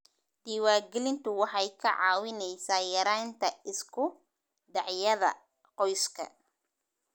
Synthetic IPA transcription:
d̪̥iːwaːɡɛlɪnt̪ʰʊwɑħɑjkʰɐʕɑ̰ːwɪnɛjsaːjɐɾaːnt̪ʰɐʔɪskʰʊ | ɖɑʕjɐðɐ̰ | qɔjskʰɐ̰

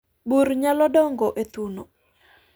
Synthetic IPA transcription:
buɾɲalɔdɔŋɡɔʔet̪uno

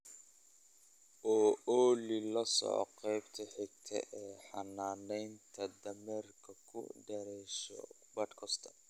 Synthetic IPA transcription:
ʔɔːɔːlilɐsɔ̰ːqɛjbt̪ʰɐħɪɡ̚t̪ʰɛ̰ʔɛːħɑnaːnɛjnt̪ʰɐd̪ɐmɛrkʰɐkʰʊ̰ɖɐɾɛʃɔ̰ | bɐd̪kʰɔst̪ʰɐ̥

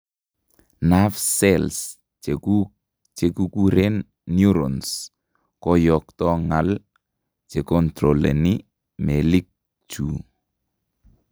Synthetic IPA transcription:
nafsɛls | u | t͡ʃekukuɾenː | juɾɔns | kɔjɔk̚tɔŋal | t͡ʃekɔntɾɔlɛ̰ni | melik̚ | t͡ʃṵ

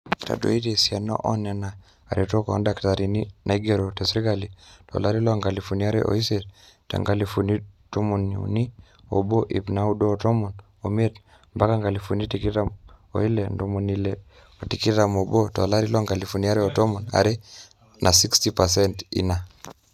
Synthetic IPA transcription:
ta̰do̰itesianɔ̰ʔɔnɛna | a̰ɾitɔkɔɔ̰ndaktaɾininʔaiɡɛɾɔtɛsɾiɡalitɔ̰laɾilɔaŋɡalifuniaɾɛ̰ʔɔ̰isɛt | ta̰ŋɡalifunitomunṵni | ɔ̰bɔʔḭpnaudɔːtɔmɔn | omiɛt | mbakaŋɡalifunitikitamɔ̰ilɛndɔmɔnilɛ | ɔtikitamɔbɔtɔlaɾilɔŋɡalifuniaɾɛɔtɔmɔna̰ɾɛ | nʔasikstipasɛntḭna

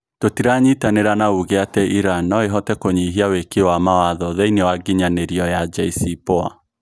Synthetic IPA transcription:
totiɾaɲitaneɾanauɣeatɛʔiɾanːɔeɦɔtɛkoɲiɦiawekewamawaðɔðɛinewaɡiɲaneɾiɔjad͡ʒaisipoa̰

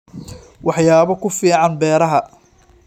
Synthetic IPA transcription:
wɑħjaːβɐkʰʊfiːʕɑnbɛːɾɐɦɐ

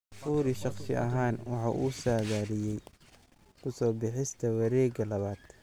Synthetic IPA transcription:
ffuːɾɪʃɑqsɪ̰ʔɐ̰ɦaːnwɑħɑ̰ːʔuːsaːɣaːɾɪjɛj | kʰʊsɔːbɪħɪst̪ʰɐwɐɾɛːɡɐlɐβaːd̪̥

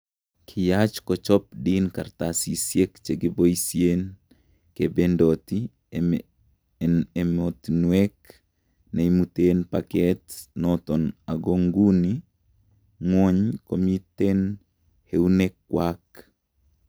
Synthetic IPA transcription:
kʰɪjat͡ʃkɔt͡ʃɔp̚dinkart̪asisjekt͡ʃeɡiboisjen | kebendot̪i | emot̪nwek | neimut̪enpakɛtnɔt̪ɔnaɡoŋɡuni | ŋwɔɲkomit̪en | heunekwak

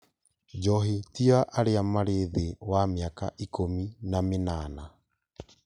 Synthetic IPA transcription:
d͡ʒɔɦitiaʔaɾeamaɾeðewamɪaka̰ʔikominamenana

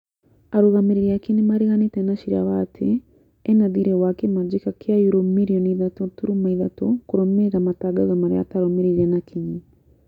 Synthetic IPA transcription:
aɾoɣameɾeɾiakinimaɾeɣanetɛnaʃiɾa̰waːtʰe | ɛnaðiɾɛwakemad͡ʒikakʰeajuɾomiɾiɔniðatɔtuɾumaiðatɔkoɾɔmeɾeɾamataɡazɔmaɾḛa̰taɾɔmeɾeɾiɾɛnakiɲi

